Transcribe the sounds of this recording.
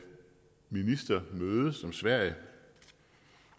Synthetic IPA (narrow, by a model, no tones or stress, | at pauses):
minisd̥ɐmøːðˠəsɒ̽msʋæɐ̰jə